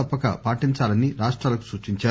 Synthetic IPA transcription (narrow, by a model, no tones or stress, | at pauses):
ɐpːɐka̰paːʈiɲt͡ʃaːlɐnːiɾaːʂʈɾaːlɐku̥suːt͡ʃiɲt͡ʃaː